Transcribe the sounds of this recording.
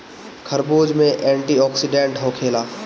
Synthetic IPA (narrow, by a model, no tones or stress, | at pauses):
kʰɐɾboːd͡ʒmẽʔɛ̃ːɳʈiɔːksɪɖẽːɳʈɦõːkʰeːlaː